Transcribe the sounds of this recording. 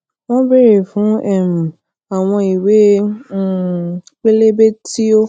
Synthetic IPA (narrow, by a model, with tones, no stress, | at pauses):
w̃ɔ̃˦be˦ɾe˨fũ˨˦ɛ˦˨m̩˨ | a˨w̃ɔ̃˧i˨we˨˦˨ | k͡pe˦le˦be˦tʰi˦o˦